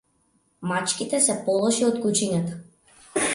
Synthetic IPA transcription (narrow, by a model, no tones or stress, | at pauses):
mat͡ʃkʲit̪ɛsɛpɔlˠɔʃiɔt̪kut͡ʃinat̪ḁ